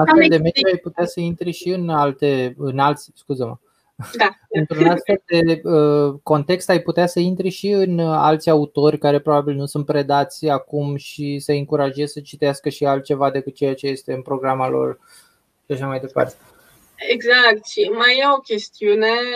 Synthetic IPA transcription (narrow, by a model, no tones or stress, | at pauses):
afed̪e̞med̪uajput̪easəint̪ɾeʃiɨnalt̪e̞ɨnalt̪sʲskuzəmə | d̪aɨnt̪ɾunasfe̞ld̪e̞əko̞nt̪e̞kst̪ajput̪easəint̪ɾeʃiɨna̰lt̪sʲaut̪o̞rʲkaɾe̞pɾo̞babilnusunt̪̚pɾe̞d̪at̪sʲakumʃisəɨŋkuɾaʒe̞zsət͡ʃit̪easkəʃialt̪̚t͡ʃe̞vad̪e̞kut͡ʃe̞jat͡ʃe̞je̞st̪e̞ɨnpɾo̞ɡɾamalo̞̰r | ʃaʃamajd̪e̞pa̰rt̪e | eɡzak̚t̪ʃimajjaokʲe̞st̪iune̞